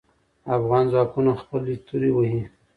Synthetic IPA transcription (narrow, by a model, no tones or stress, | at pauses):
afɣɑnzwɑkunaxpəlist̪uɾewəhi